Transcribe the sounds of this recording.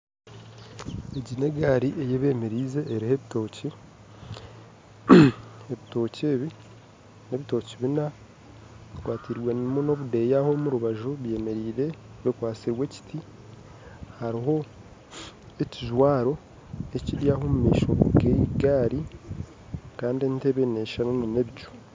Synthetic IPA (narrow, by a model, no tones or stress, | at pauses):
eɟine̞ɡaːɾiʔejeβe̞ːme̞ɾiːze̞ʔːɾiheβito̞ːci | e̞βito̞ːceːβi | ne̞βito̞ːciβina | βikwaːtiɾwe̞nmuno̞βude̞jaho̞muɾuβaʒoβje̞ːme̞ɾiːɾe̞ | βikwaːt͡siɾwe̞ci̥tʰi | haɾiɦo̞ | e̞ciʒwaːɾo̞ | e̞ciɾjaho̞mumḭːʃo̞̰ɡeiɡaːɾi | kaːndiente̞βeneʃanunune̞βit͡ʃu̥